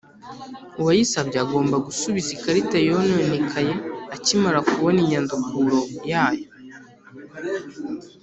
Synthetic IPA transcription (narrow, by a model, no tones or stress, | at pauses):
uwajisabɟeaɡo̞ːmbaɡusuβizikaɾitajononekʰaje̞acimaɾakuβoniɲandukʰuɾo̞jaːjo